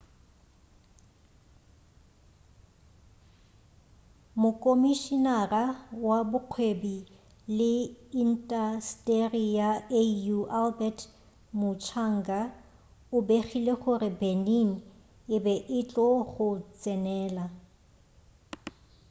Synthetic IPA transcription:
mʊkʼomiʃinarawabʊq͡χʰwebi | lɪin̩tʼastʼerijaejuʔalbɛtʰ | mʊt͡ʃʰaŋ̩ɡa | ʊbeχileχʊrɪbenin̩ | ɪbɛʔɪt͡ɬʼɔχʊt͡sʼɛnɛːla

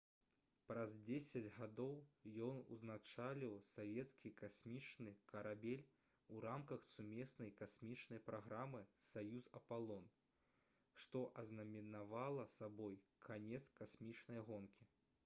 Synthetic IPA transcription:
pɾɐzʲd͡zʲesʲɐd͡zʲɣad̪ɔwjɔnṵznat͡ʂalʲiwsavʲɛt̪skʲikasʲmʲit͡ʂnɨkʰɐɾabʲelʲ | uɾamkɐxsumʲɛsnɐjkasʲmʲit͡ʂnɐjpɾaɣɾamɨsajuzɐpalˠɔn | ʂt̪ɔʔɐznɐmʲinavalˠɐsabɔjkʰanʲɛt̪skasʲmʲit͡ʂnɐjɐɣɔnkʲi

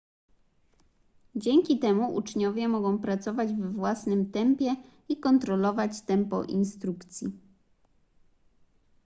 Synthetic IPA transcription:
d͡ʑɛŋʲkʲit̪ɛmuʔṵt͡ʂɲɔvʲjɛmɔɡɔ̃w̃pɾat̪sɔvad͡ʑvɛvwasnɘmt̪ɛmpʲjɛ | ikɔnt̪ɾɔlɔvat͡ɕt̪ɛmpɔ̰ʔinst̪ɾukt̪sʲji

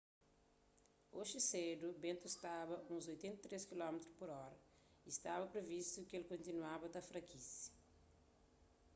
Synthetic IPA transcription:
oʒɪsed̪ubẽnt̪uist̪abɐũzojt̪ẽnt̪ɐt̪ɾeskilɔmet̪ɾupoɾɔɾɐ | ist̪abɐpɾevist̪ukelkõnt̪inwabɐd̪ɐfɾɐkisɐ̥

